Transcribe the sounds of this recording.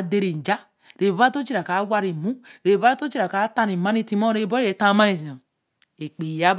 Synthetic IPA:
de˦ɾi˨n̩˨d͡ʒa˦ | ɾe˨ba˦to˦t͡ʃi˦ɾa˨ka˨˦wʷa˦ɾi˨mu˦ɾe˨ba˦to˦t͡ʃi˦ɾa˨ka˨˦ta˦ni˨ma˦ni˦˨ti˦mo˦ɾe˨˦˨bo˦e˨˦a˦˨ma˦ni˨si˨no˨ | e˨k͡pi˨ja˦b

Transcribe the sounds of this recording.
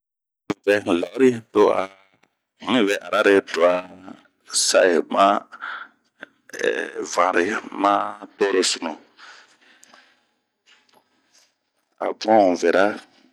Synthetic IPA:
vɛ˨la˨˦ɾi˦˨to˦a̰˨ | mĩ˦vɛ˨ʔa˨ɾa˦ɾe˧do˨a˨ | sa˦e˨mã˦˨ | vã˨ɾe˨mã˦to˦ɾe˧su˨nũ˨ | a̰˨bũ˦ã˦ũ˨vɛ˨ɾa˦

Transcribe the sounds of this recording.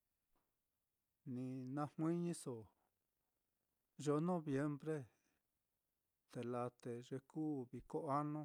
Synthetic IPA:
nĩ˧nã˧hwʷĩ˦ɲĩ˦so˨ | ʒo˧nõ˦βje˧˦mbɾe˦ | t̪e˨la˧t̪e˨ʐe˧kuː˦˨βi˧ko˦a˦nõ˦

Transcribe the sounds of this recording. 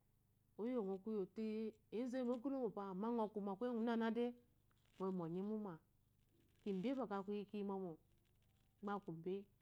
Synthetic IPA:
o˦jo˦˨ŋʷo˨ku˦jo˨ti˦ | e˦n˦ze˦mo˦ɡu˦ɾo˦ŋo˨pa˨ma˦ŋo˨ku˨ma˨kʷe˦ŋu˨˦a˦na˦de˦ | ŋo˨m˨o˨ɲi˦mu˦ma˨ | ki˨m̩˨be˦ba˨ka˨ku˦i˦ki˦mo˦mo˨˦ | ɡ͡ba˦˨ku˨m˨be˦

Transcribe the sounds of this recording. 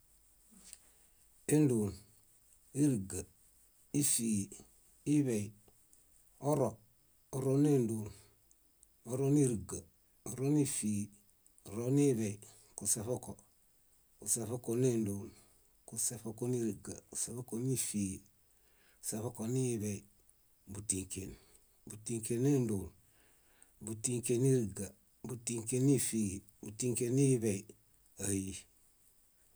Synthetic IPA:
e˦ndu˨n | i˦ɾɡa˨ | i˦fi˨ | i˦βe˨i | o˦ɾo˨ | o˨ɾo˦ne˦ndu˨n | o˨ɾo˦ni˦ɾi˨ɡa˨ | o˨ɾo˦ni˦fi˨ | o˨ɾo˦ni˦βe˨i | ku˨se˨fo˦ko˨ | ku˨se˨fo˦ko˨ne˦ndu˨n | kusefoko˦ni˦ɾiɡa˨ku̥se˨fo˦koni˦fi | se˨fokoni˦bei | butiŋkḛn | butiŋkene˦ndul | butiŋkeni˦ɾiɡa | butiŋke˦ni˦fi | butiŋkeni˦bei | aji

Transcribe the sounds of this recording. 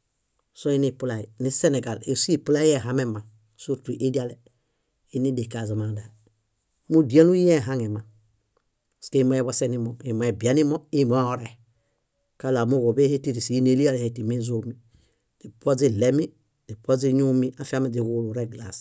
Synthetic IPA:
so˦i˦ni˨pu˦la˨i˨ni˦se˦ne˨ɡa˨lḭ˨si˦pu˦la˦je˦˨ɦa˨me˦ma˨ | su˦ɾtu˨ʔi˦di˦a˦le˨ | i˦ni˦de˨ka˨za˨ma˨da˨ | mu˦di˨a˦nu˦je˦˨ɦa˦ŋe˨ma˨ | ske˦mo˦ɛ˦βa˦se˦ni˦mɔ˨i˨mo˨e˨bi˨a˦ni˦mɔ˦i˦˨mo˦a˦o˨ɾe˨ | ka˦la˨mu˦ɡo˨be˦he˦ti˦ɾi˨si˨i˦ne˦li˦a˦le˨he˨ti˨mi˦zo˨mi˨ | di˨po˦zi˦le˦mi˦ | di˨po˦zi˦ɲu˦mi˦ʔa˦fi˦a˦me˨d͡ʒi˨ɡu˦lu˨ɾe˦ɡla̰˨s

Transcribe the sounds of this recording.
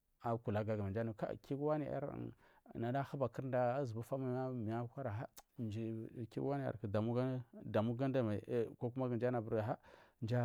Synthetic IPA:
a˨ku˨la˨ɡa˨ɡa˨ma˨nd͡ʒa˦ni˨ka̰˦˨ki˦ɡwa˦ni˨˦a̰˦ɾ̰ | na˨da˦xa˦ba˨ki˦ɾda˦a˦zu˨bu˦fa˦ma˨˦a˦mi˨a˦kʷa˦ɾa˨ɦa˦nd͡ʒi˨kḭ˦ɡa˦ni˦ja̰˨ɾkda˨mu˦ɡa˦da˨mu˦ɡa˦n˦da˨ma̰˨ko˦ku˦ma˦ɡə˨n˦d͡ʒa˦na˨bu˦ɾɡa˨ɦa˦nd͡ʒa˦

